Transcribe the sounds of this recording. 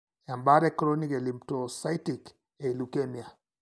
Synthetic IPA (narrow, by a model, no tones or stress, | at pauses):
jambaɾɛkɾɔnikɛlimptɔsaitik | ɛlukɛnia